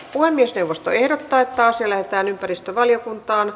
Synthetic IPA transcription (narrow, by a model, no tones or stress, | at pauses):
puhemːiesnewʋːost̪o̰ehɾot̪ːɑːet̪ːɑːsjɑlæhet̪æːnympærist̪øʋɑljokunt̪ɑːn